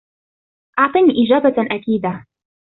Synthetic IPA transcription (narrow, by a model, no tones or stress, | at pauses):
ʔɑʕt̪ˤɨniːʔɪd͡ʒaːbaʔakiːd̪a